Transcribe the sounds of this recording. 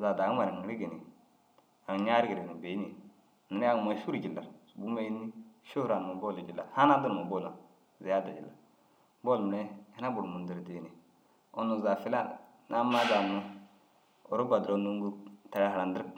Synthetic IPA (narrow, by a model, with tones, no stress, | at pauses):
za˨da˨˦ma˨i˨ŋ˨ɾi˦ɡe˨ni˨ | a˨ɲa˦ɾi˦ɡi˨ɾe˨u˨be˨˦ni˨ | nu˨n˦a˦ŋ˨ma˨˦ʃu˦ɾi˨d͡ʒi˨lːa̰˨ɾsu˨bu˦ma˦ji˦nːi˦ʃu˦ɾa˨n˨ma˨bo˦˨li˨d͡ʒi˨lːa̰˨ɾha˦na˦du˦˨mo˨bo˦la˨ | ze˨a˦da˨d͡ʒḭ˨lːa̰˨ɾ | bo˦˨lm˨ɾe˦hi˦na˦bu˨ɾmu˨ndi˨ɾde˨ni˨ | o˨nu˨za˨fi˦la˦ | nʔa˦ma˦za˨nu˦ | o̰˨ɾu˦ba˨dɾo˨˦nu˦ŋ˦ɡu˦ta˨ɾa˦ɦa˨a˨ndə˦ɾk